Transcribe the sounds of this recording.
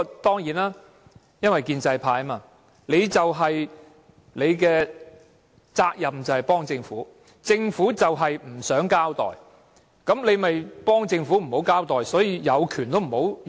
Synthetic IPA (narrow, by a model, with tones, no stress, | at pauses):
t̪ɔː˥ŋjiː˨˥naː˥ | jɐ˥nwɐ˨jkiː˧nt͡sɐ˧jpʰaː˧jmaː˧ | le˨˧jt͡sɐ˨wɦɐ˨j | le˨˧jkɛː˧ | t͡saː˧k̚jɐ˨mt͡sɐ˨˩whɐ˨jpɔː˥ŋt͡sɪ˧ŋfuː˨˥ | t͡sɪ˧ŋfuː˨˥t͡sɐ˨wɦɐ˨jm̩˨˩sœː˨˥ŋkaː˥wt̪ɔ̰ː˨j | kɐ˨˥mle˨˧jmɐ˨jpɔː˥ŋt͡sɪ˧ŋfuː˨˥m̩˨˩ho˨˥wkaː˥wt̪ɔː˨jsɔː˨˥jiː˧jɐ˨˧wkʰyː˨˩nt̪o˥wm̩˨˩ho˨˥w